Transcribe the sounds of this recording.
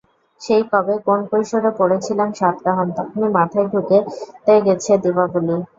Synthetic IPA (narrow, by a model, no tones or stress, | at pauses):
ʃejkɔbekonkojʃoɾepoɽet͡ɕʰilemʃat̪̚ɡaɦomt̪ɔkʰonimat̪ʰaeɖʱuket̪eɡet͡ɕʰed̪ibabuli